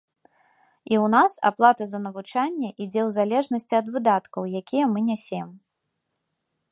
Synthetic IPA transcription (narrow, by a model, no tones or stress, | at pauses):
iwnasa̰plˠat̪ɐzɐnɐvut͡ʂanʲːɛʔid͡zʲɛwzalʲɛʐnɐsʲt͡sʲiɐd̪vɨd̪at̪kɐwjakʲʰijɛmɨnʲasʲɛm